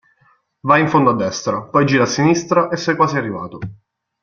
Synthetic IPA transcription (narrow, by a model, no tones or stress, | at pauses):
vajiɱfond̪oad̪ːɛst̪ɾapɔjd͡ʒiːɾasːinist̪ɾaʔesːajkwaːsiarːiva̰ːt̪o